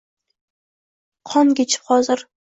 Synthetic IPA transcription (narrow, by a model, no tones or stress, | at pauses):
qʰɒnkʲet͡ʃʰɪ̥pχɒzɪɾ